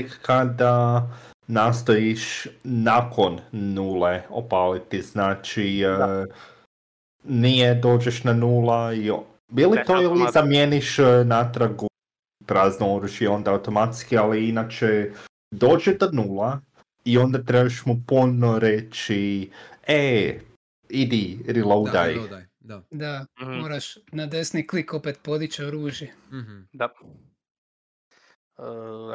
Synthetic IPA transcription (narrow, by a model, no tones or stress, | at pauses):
kkad̪a | nast̪ojiʃnakʰo̞nːuːleo̰palit̪iznaːt͡ʃi | nijed̪o̞ːd͡ʒeʃnanuːlai | ilit̪oilizamjeniʃnat̪ɾaɡu | pɾaːznooɾuʒjeo̞nd̪aːwt̪o̞mat̪skialiinat͡ʃe | d̪oːd͡ʒed̪onulˠa | io̞nd̪at̪ɾebaʃmupunoɾet͡ʃi | e | id̪iɾilowd̪a̰j | d̪amoɾaʃnad̪esniklikopet̪̚pod̪it͡ʃeoɾuːʒji | ə